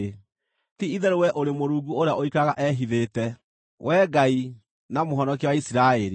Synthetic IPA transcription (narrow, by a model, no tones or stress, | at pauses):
tiiðɛɾowɛʔoɾemoɾuːɡuoɾeaʔoikaɣaʔɛɦiðeːtɛ | wʔɛːɡai | namoɦɔnɔk̬iwaisiɾaɛɾi